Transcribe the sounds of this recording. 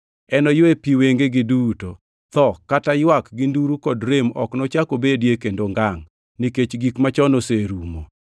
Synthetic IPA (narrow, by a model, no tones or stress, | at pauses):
ɛnɔjwepiweŋɡeɡɪduto | t̪ɔkatajwakɡɪnduɾukɔdɾemɔ̰knɔt͡ʃakobedjekendoŋɡaŋ | niket͡ʃɡikmat͡ʃɔnoseɾumo̰